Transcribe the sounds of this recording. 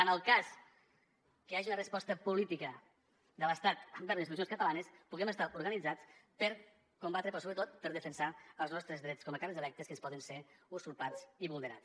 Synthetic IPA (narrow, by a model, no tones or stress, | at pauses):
ənəlˠkas | kəaʒiunərəspɔst̪əpulit̪ikə | d̪ələst̪at̪əmbɛɾðinsius̬onskət̪əlanəspuɣɛməst̪aʔuɾɣənid͡zat͡spəɾ | kumbat̪ɾəpɾɔsoβɾət̪ot̪pəɾðəfənsaəlˠznɔst̪ɾəzðɾɛt͡skɔməkaɾizəlɛk̚t̪əskənspɔðənseusuɾpat͡siβulˠnəɾa̰t͡s